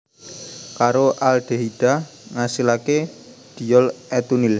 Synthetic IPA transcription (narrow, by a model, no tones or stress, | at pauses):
kaɾoʔalɖ̪̥e̤ɦiɖ̥a | ŋasilake | ɖ̪̥i̤jɔlɛt̪unil